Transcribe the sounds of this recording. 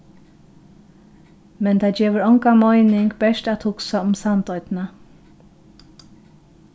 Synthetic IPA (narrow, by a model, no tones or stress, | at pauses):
mɛnt̪ʰaːd͡ʒeːʋəɾɔŋkamɔɪnɪŋkbɛʃtæt̪hʊksaʊmsant̪ɔʏt̪na